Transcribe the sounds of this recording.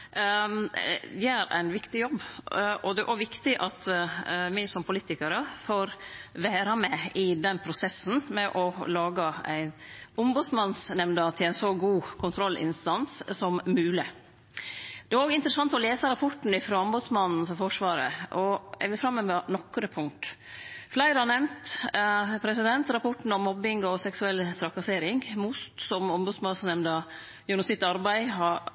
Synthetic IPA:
d̪ɛæɾʔæ̰ɪnʋɪkt̪ɪjɔbːʔɔd̪ɛʔæʋɪkt̪ɪʔɑt̪mæɪsɔmpʰʊliːt̪ɪkɑɾəfoːɾʋæːɾɑmɛɪd̪ɛnːpʰɾʊsɛsːn̩mɛʔɔlɑːɡɑæ̰ɪnʊmbʊd̪smɑnsnɛmnɑt̪ʰɪlæɪnsɔɡuːkʰʊnt̪ʰɾɔlʔɪ̰nst̪ɑnssɔmmʉːlɪ | d̪̥ɛæɾoːɡɪnt̪ɾəsɑnt̪ɔleːsəɾɑpʰɔʈn̩ɪfɾoːʊmbʉd̪smɑnn̩fɔɾfɔʂʋɑːɾə̰ɔɛ̰ʋɪfɾɑmːəmɛnɔkːɾəpʰʊŋt̪ | flæɪɾɑnɛmnt̪ | pʰɾɛsɪd̪ɛnt̪ɾɑpʰɔʈnɳ̩ɔmːɔbːɪŋɔsɛksʉɛlːt̪ʰɾɑkɑseːɾɪŋmʊst̪sɔmʊmbʉsmɑnsnɛmnɑ | jʊnʊsɪt̪ɑɾbæɪɦɑ

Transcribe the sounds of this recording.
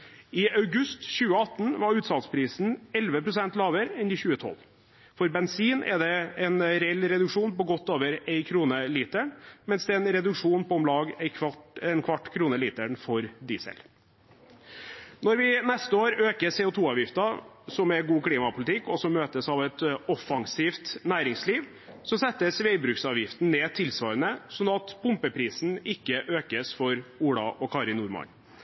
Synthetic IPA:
ɪɑʉɡʉst̪ɕʉːəɑt̪ːn̩ʋɑɾʉːt̪sɑt̪spʰɾiːsn̩ɛlʋəpʰɾʊsɛnt̪lɑːʋəɾɛnd̪ɪçʉːət̪ʰɔ̰lː | fɔɾbɛnsiːnʔɛ̰d̪ɛɛnɾɛɛlːɾɛd̪ʉkʂuːnpɔɡɔt̪ːoːʋəɾeɪkʰɾuːnəliːt̪əɳmɛnsd̪ɛɛnɾɛd̪ʉkʂuːnpɔɔmlɑːɡɛkʰɑʈɛnkʰʋɑʈːkʰɾuːnəliːt̪əɳfɔɾd̪iːsɛ̰l | nɔɾʋɪnɛst̪əoːɾøːkəseːʊt̪ʰuːɑːʋjɪft̪ɑsɔmæɾɡuːkʰliːmɑpʰʊlɪt̪ʰɪkːɔsɔmːøːt̪əsɑʋɛt̪ɔfːɑŋsiːft̪næːɾɪŋsliːʋ | sɔsɛt̪ːəsʋeɪbɾʉːksɑːʋjɪft̪n̩neːt̪ʰɪlsʋɑːɾənəsɔnɑt̪pʰʊmpəpʰɾiːsn̩ɪkːəʔøːkəsfɔɾuːɽɑ̰ʔɔkʰɑɾɪnuːɾmɑ̰n

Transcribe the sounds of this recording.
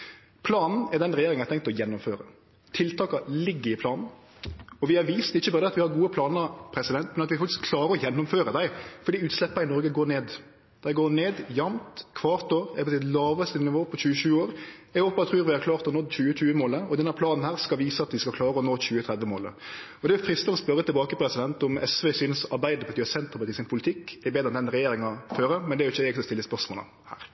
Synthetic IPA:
pʰlɑːnn̩ɛɾd̪ɛnɾɛjeːɾɪŋnæɪt̪ɛŋkt̪ɔjɛnːʊmføːɾə̰ | t̪ʰɪlt̪ʰɑːkɑlɪɡːəɾɪpʰlɑːnn̩ | ɔʋɪhɑɾʋiːst̪ɪçːəbɑːɾəɑt̪ʋɪhɑɾɡuːəpʰlɑːnəpʰɾɛsɪd̪ɛnt̪mɛnɑt̪ʋɪfɑkt̪ɪskkʰlɑːɾəɾɔjɛnːʊmføːɾəd̪æɪfɔɾɖ̪iːʉːt̪slɛpːɑɪnɔɾɡəɡoːɾneːd̪ | d̪̥æɪɡoːneːd̪jɑmt̪kʰʋɑːɾt̪oːɾɛ̰ɡpəɪd̪lɑːʋəst̪ənɪʋoːpʰɔçʉːəʃʉːoːɾɛɡhoːpɑt̪ʰɾʉːɾʋɪhɑɾkʰlɑːɾt̪ɔhɔnɔt̪ːçʉːəc͡çʉːəmoːləɔd̪ɛnːæɾpʰlɑːnn̩hæːʁskɑlʋiːsəɑt̪ʋɪskɑkʰlɑːɾəɔnoːçʉːət̪ʰɾɛd̪ʋəmoːlə̰ | ɔd̪ɛʊfɾɪst̪ənɔspœɾət̪ɪlbɑːkəpʰɾɛsɪd̪ɛnt̪ʊmɛsʋɛsyːnəsɑɾbæɪd̪əpʰɑt̪ʰiːɑsɛnt̪ʁəpɑt̪ʰiːsɪnpʰʊlɪt̪ʰɪkːɛbeːd̪ɾɛnd̪ɛnɾɛjeːɾɪŋɑføːɾəmɛnd̪ɛæɾjʊɪçːəɛɡsɔst̪ɪlːəspœʁʂmoːlə̰ | hæ̰ːɾ

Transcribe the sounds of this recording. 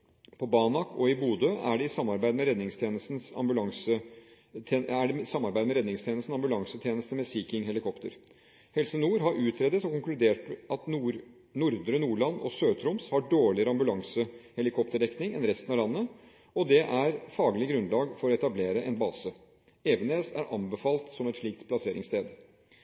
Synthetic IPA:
pʰɔbɑːnɑkʰɔɪbuːd̪øʔæ̰ɖɛɪsɑmːɑɾbæɪd̪mɛɾɛd̪nɪŋst̪ʰjeːnəst̪n̩sɑ̰mbʉlɑŋsəː | næɖɛsɑmːɑɾbæɪd̪mɛɾɛd̪nɪŋst̪ʰjeːnəst̪n̩sɑmbʉlɑŋsət̪ʰjeːnəst̪əmɛsiːkɪŋɦɛlɪkʰɔpt̪əɾ | hɛlsənuːɾɦɑɾʔʉːt̪ʰɾed̪ət̪ɔkʊŋklʉd̪eːʈɑt̪nuːɾ | nʊɾd̪ɾənuːɭɑnːɔ̰søːt̪ʰɾʊmshɑɖoːɭɪəɾəɑmbʉlɑŋsəhɛlɪkʰɔpt̪əɖɛknɪŋɛnɾɛst̪ənɑʋlɑnːə | ɔd̪ɛʔæɾfɑːɡlɪɡɾʉnlɑːɡfɔɾɔɛt̪ɑbleːɾəʔɛnbɑːsə | eːʋəneːsæ̰ɾʔɑmbəfɑːlt̪sɔmɛt̪ʂɭiːk̚t̪pʰlɑseːɾɪ̰ŋst̪ʰeːd̪

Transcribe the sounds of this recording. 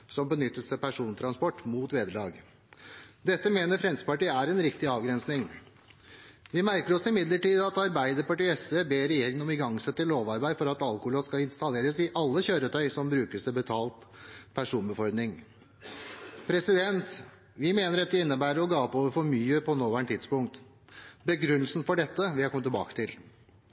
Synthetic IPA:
sɔmbənʏt̪ːəst̪ʰɪpæʂuːnt̪ʰɾɑnspɔʈːmuːt̪ʋeːd̪əɭɑːɡ | d̪ɛt̪ːəmeːnəɾfɾɛnsəpɑʈiːæɾɛnɾɪkt̪ɪɑːʋɡɾɛnsnɪŋ | ʋɪmæɾkəɾɔsɪmɪd̪ləʈiːd̪ɑt̪ɑɾbæɪd̪əɾpɑʈiːɛsʋebeːɾɛjeːɾɪŋənɔmɪɡɑŋːsɛt̪ːəloːʋɑɾbæɪfɔɾɑt̪ɑlkʊhloːskɑlɪnst̪ɑleːɾəsɪʔɑlːəçøːɾət̪ʰœʏsɔmbɾʉːkəst̪ɪbət̪ʰɑːlt̪pʰæʂuːnbəfɔɾd̪nɪŋ | pʰɾɛsɪd̪ɛnt̪ | ʋɪmeːnəɾɛt̪d̪əɪnːəbæːɾəɾɔɡɑːpːoːʋəɾfɔɾmyːəpʰɔnoːʋæːɳʈ̪ʰɪd̪spʊŋkt̪ | bəɡɾʉnːəl̩sn̩fɔɖɛt̪ːəʋɪhɑɾkʰɔmət̪ʰːɛbɑ̰ːkə̥t̪ʰɪl

